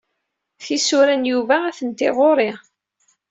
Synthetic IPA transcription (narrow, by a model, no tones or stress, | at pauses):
θisʊɾænjuvææθənt̪ɪʁoɾˤe